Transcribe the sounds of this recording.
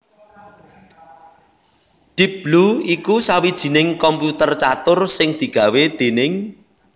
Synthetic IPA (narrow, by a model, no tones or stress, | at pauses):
ɖ̥ibb̥luikusawid̥ʒ̥i̤nɪŋkɔmput̪ərt͡ʃat̪ʊrsɪŋd̪̥i̤ɡ̥ä̤wed̪̥enɪŋ